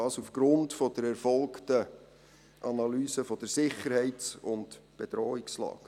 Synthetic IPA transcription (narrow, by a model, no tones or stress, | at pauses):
ɑːsufɡ̥ɾʊntfɔd̥əɾɛɾfɔlˠktə | ʔɑnɑlyːsəfɔd̥əɾsɪχəɾhɛɪsʊntb̥ed̥ɾɔːikslɑ̰ːk